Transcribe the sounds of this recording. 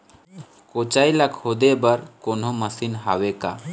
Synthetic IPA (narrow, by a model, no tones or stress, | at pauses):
kot͡ʃaːilakhoːd̪ebəɾkonoməsinɦaweka